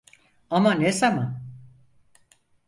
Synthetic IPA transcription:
amanesaman

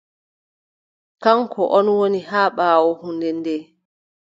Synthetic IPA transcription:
kaŋkʰɔʔɔnwonihaːɓaːwɔhundɛndɛ

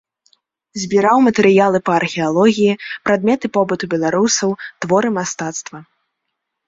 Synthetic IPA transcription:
zʲbʲiɾawmɐt̪ɛɾɨjalˠɨpɐːrxʲɛalˠɔɣʲijipɾad̪mʲɛt̪ɨpɔbɨt̪ubʲɛlˠaɾusɐwt̪vɔɾɨmast̪at̪st̪vɐ

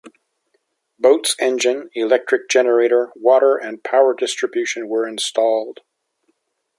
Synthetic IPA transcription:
b̥oʊtsɛ̃nd͡ʒɨ̃nilɛk̚tɹ̥ɨk̚d̥ʒ̥ɛnə˞eɪɾə˞wɔɾə˞ʔɨ̃npʰaʊə˞dɪstɹ̥ɨbjʉʃɨ̃nwə˞ɨ̃nstʰɔlˠd̥

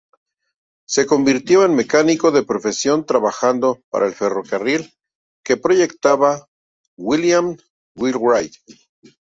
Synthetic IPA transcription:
se̞ko̞mbiɾt̪jo̞enme̞kaniko̞ðe̞pɾo̞fe̞sjo̞nt̪ɾaβaxand̪opa̰ɾʔaelfe̞ro̞karil | ke̞pɾo̞ʝe̞kt̪aβa | wiljam | wilɹajt̪

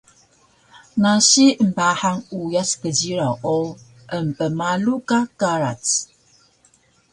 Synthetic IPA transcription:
naʃim̩bahaŋujaskəd͡ʒiɾaɔ | əm̩pəmalukakaɾa̰t

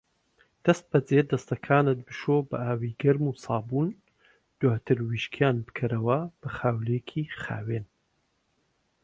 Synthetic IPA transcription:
d̪̥ɐst̪̚bɐd͡zeːd̪ɐst̪ɐkʰaːnɨt̪̚bɨʃobɐ̰ʔaːwiːɡɐɾmuːsɑːbuːn | d̪̥waːt̪ʰɨɾwiːʃkʰjaːnbɨ̥kʰɐɾɐwɐb̥ɐxaːwlekʰiχa̰ːwen

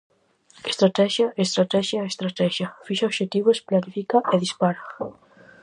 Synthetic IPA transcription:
est̪ɾat̪ɛʃjaʔest̪ɾat̪ɛʃjaest̪ɾat̪ɛʃjɐfiʃaoβʃet̪iβosplanifikaʔeðispaɾa

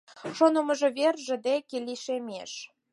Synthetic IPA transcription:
ʃonŏmə̆ʒɤ̆βerʒĕd̪ekelʲiʃemḛʃ

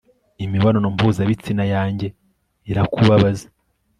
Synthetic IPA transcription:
imiβanonompuzaβit͡sinajaːɲɟe̞ | iɾakuβaβaze̥

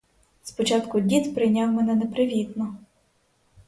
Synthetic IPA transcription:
spɔt͡ʃɑt̪kʊdʲit̪pɾɪjnʲɑwmɛnɛnɛpɾɪʋʲid̪nɔ

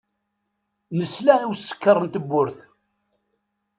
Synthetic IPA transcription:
nəslæiwsːə̥kːərˤːənt̪əbːʊɾθ

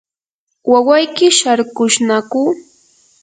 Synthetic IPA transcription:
wawajkɪʃaɾkʊʃnakuː

